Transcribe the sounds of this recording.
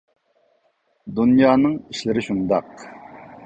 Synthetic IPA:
d̪unjɑːnɨŋiʃlɪɾɪʃund̪ɑq

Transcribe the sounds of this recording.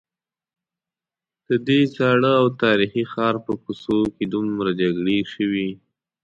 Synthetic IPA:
d̪̥əd̪et͡sɑɽəawt̪ɑɾixixɑɾpəkusoked̪umɾad͡ʒaɡɽeʃəwi

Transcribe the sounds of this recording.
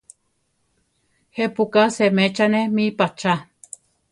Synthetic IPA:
hepukasemet͡ʃanemipat͡ʃa

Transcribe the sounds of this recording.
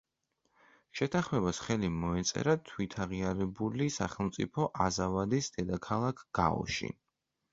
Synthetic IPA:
ʃɛt̪ʰaχmɛbasχɛlimɔɛt̪sʼɛ̰ɾat̪ʰwit̪ʰaʁiaɾɛbulisaχɛlˠmt̪sʼḭpʰɔʔazavad̪isd̪̥ɛd̪akʰalˠakʰɡ̥a̰ɔ̰ʃḭ

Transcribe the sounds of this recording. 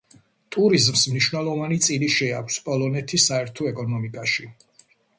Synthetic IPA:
t̪ʼuɾizmsmniʃwnɛlˠɔvanit̪sʼiliʃɛakʰʷspʼɔlˠɔnɛt̪ʰisaɛɾt̪ʰɔɛkʼɔnɔmikʼaʃi

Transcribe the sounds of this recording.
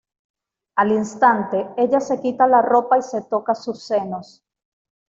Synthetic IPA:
alinst̪ant̪e̞e̞ʎase̞kit̪alaro̞paise̞t̪o̞kasusːe̞no̞s

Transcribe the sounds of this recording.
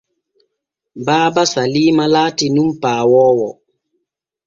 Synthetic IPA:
baːbasalimalaːtinumpaːwɔːwɔ

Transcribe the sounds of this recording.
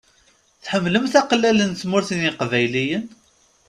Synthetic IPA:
θħəmːləmθæqlːælənt͡smʊɾθinɪqvæjlijən

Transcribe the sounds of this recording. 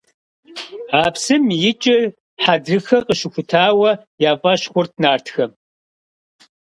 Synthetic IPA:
aːpsɨmjɪt͡ʃʼɪr | ħadrɨxɐqʼəʃɪxʷʊtʰaːwɐjaːpʼɐʃxʷʊrt̚ʰnaːrtʰxɐ

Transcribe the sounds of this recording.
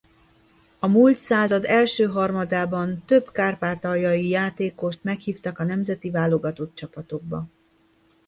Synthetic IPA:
ɒmult̪saːzɒd̪ɛlʃøːɦɒrmɒd̪aːbɒnt̪ø̞bkaːrpaːt̪ɒjɒjijaːt̪eːko̞ʃt̪mɛkhiːft̪ɒkɒnɛmzɛt̪ivaːlo̞ɡɒt̪o̞t̪̚t͡ʃɒpɒt̪o̞ɡ̚bɒ̰

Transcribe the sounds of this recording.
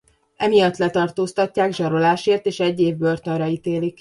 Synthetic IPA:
ɛmijɒt̪lɛt̪ɒrt̪oːst̪ɒcːaːɡʒɒɾo̞laːʃeːrt̪eːʃɛɟːeːvbørt̪ønrɒit̪eːlik

